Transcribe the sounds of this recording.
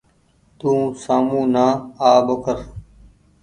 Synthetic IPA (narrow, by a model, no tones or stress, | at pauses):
t̪ũːsaːmũːnaːaːɓəkəɾ